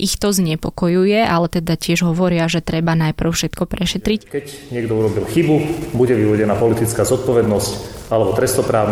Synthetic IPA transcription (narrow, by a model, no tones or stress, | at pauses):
ʔixt̪ɔzɲɛpɔkɔjujɛʔalɛt̪ɛd̪acɪɛʒɦɔʋɔɾɪaʒɛt̪ɾɛbanajpr̩ʊfʃɛt̪kɔpɾɛʃɛt̪ɾickɛcɲɪɛɡ̚d̪ɔuɾɔbilxibubuɟɛʋiʋɔɟɛnapɔlit̪it͡skaːzɔt̪̚pɔʋɛd̪nɔscalɛbɔt̪ɾɛst̪ɔpɾaːʊn